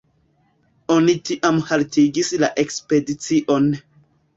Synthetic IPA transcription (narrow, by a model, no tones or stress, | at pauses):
o̞nitiʔamhaltiɡislaʔe̞kspe̞dit͡siʔo̞n